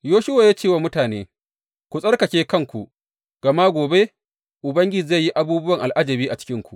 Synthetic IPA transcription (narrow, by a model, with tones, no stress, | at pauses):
joː˦ʃʊ˦wa˨jaː˦t͡ʃeː˦˨waː˨mʊ˦taː˨nḛː˦ | kʷu˨sʼɐ˦rkɐ˨kʲeː˦kɐ˦ŋkʷu˨ʔ | ɡ̥ɐ˨ma˦ɡʷoː˨be˦ | ʔʊ˨bɐ˦ŋɡʲɪ˦d͡ʒza˦˨jːi˦ʔa˦buː˦bʊ˦wɐ˨ŋʔa˨lʔa˦d͡ʒɐ˨biː˦ʔa˨t͡ʃɪ̥˦kʲɪ˦ŋkʷu˨ʔ